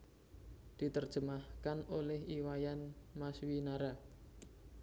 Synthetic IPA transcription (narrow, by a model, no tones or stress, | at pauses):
d̪̥i̤t̪ərd̥ʒ̥əmahkanolɛhiwajanmaswinaɾa